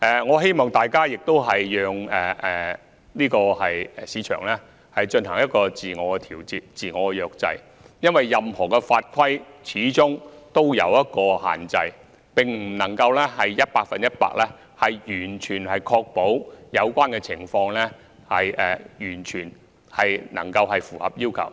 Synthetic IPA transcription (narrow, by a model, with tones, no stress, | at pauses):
ʔɛː˨ŋɔː˨˧ɦe˥jmɔː˨˩ŋt̪aː˨jkaː˥jɪ˨k̚t̪o˥wɦɐ˨jːœː˨˧ŋɛː˨˩ɛ˨ | liː˥kɔː˧hɐ˨jɛ˨siː˨˧˥t͡ʃʰœ̰ː˨˩ŋlɛː˥ | hɐ˨jt͡ʃɵ˧nɦɐ˨˩ŋjɐ˥t̚kɔː˧t͡siː˨ŋɔː˨˧kɛ˧t̪ʰiː˨˩wt͡siː˨t̚t͡siː˨˩ŋɔː˨˧kɛ˧jœː˧k̚t͡sɐ̰˧j | jɐ˥nwɐ˨jːɐ˨mhɔː˨˩kɛ˧faː˧t̚kʷʰwɐ˥jt͡sʰiː˨˥t͡sʊ˥ŋt̪o˥wjɐ̰˨˧wjɐ˥t̚kɔː˧ɦa̰ː˨˩nt͡sɐ˧j | pɪ˨ŋm̩˨˩nɐ˨˩ŋkɐ˧wlɛː˥hɐ˨jjɐ˥t̚paː˧k̚fɐ˨njɐ˥t̚pa̰ː˧k̚lɛː˥ | hɐ˨jjyː˨˩nt͡ʃʰyː˨˩nhɐ˨jkʰɔː˧k̚po˨˥wjɐ˨˧wkʷaː˥nkɛ˧t͡sʰɪ˨˩ŋfɔː˧ŋlɛː˥ | hɐ˨jɛ̰ː˨jyː˨˩nt͡ʃʰyː˨˩n | hɐ˨jnɐ̰˨˩ŋkɐ˧wɦɐ˨jfuː˨˩hɐ˨p̚jiː˥wkʰɐ̰˨˩w